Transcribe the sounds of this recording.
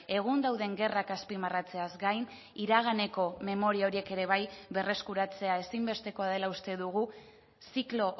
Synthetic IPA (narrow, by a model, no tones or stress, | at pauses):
e̞ɣ̞und̪awðe̞ŋɡe̞rakaspimarat͡se̞azɡajn | iɾaɣ̞ane̞ko̞me̞mo̞ɾiao̞ɾie̞ke̞ɾe̞β̞ajβe̞re̞skuɾat͡se̞ae̞simbe̞st̪e̞ko̞aðe̞laust̪e̞ðuɣu | siklo̞ʔ